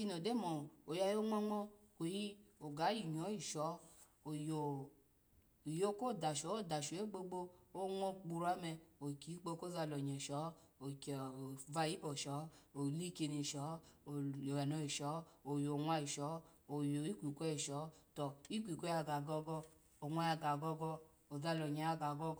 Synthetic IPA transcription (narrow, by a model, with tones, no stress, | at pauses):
i˧nɔ˨de˦mɔ˨o˨ja˧jo˦ŋɔ˦ŋɔ˦o˨ji˦o˨ɡa˨˦ji˨ɲ˨ɔ˨˦i˨ʃɔ˨˦ | o˨jo˨ | jo˦ko˦˨da˨ʃɔ˨˦o˦˨da˨ʃo˨˦e˦ɡ͡bo˧ɡ͡bo˧o˦ŋɔ˦k͡pu˧ɾa˦mɛ˧o˨ki˨˦k͡po˧ko˦za˧˨lɔ˨ɲɛ˨ʃɔ˨˦ | o˨kva˧˨i˦pɔ˨ʃɔ˨˦o˨li˦ke˧ni˧˨ʃɔ˨˦˨ | o˨a˨nɔ˧i˨ʃɔ˨˦o˨jo˨ŋʷa˧i˨ʃɔ˨˦o˨jo˨i˦kʷi˨kʷɛ˦i˨ʃɔ˨˦tɔ˨i˦kʷi˨kʷɔ˦a˧˨ɡa˨ɡɔ˧ɡɔ˧ | o˨ŋʷa˧ja˧ɡa˨ɡɔ˧ɡɔ˧ | o˨za˧lɔ˨ɲa˨a˧ɡa˨ɡɔ˧